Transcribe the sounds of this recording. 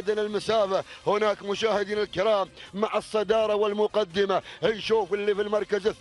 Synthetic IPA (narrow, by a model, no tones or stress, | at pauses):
d̪anɪlmʊsaːfahʊnaːkmʊʃaːhɪd̪iːnɪlkɪɾɑːmːaʕɪsˤːɑd̪ɑːɾˤɑwɪlmʊqɑd̪ːɪmahɪnʃuːfɪlːifilmɑɾˤkazɪ